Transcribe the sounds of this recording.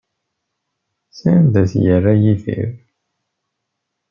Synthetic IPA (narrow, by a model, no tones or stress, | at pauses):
sænd̪æθjərːæjiðḭɾ